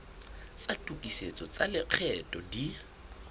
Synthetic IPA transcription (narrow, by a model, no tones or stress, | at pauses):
t͡satʼukʼiset͡sʼɔt͡sʼalɪq͡χʰɛtʼɔdi